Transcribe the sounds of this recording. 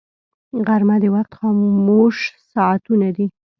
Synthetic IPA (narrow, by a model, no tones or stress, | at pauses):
ɣaɾmad̪əwaqt̪xɑmmoʃsɑat̪unad̪i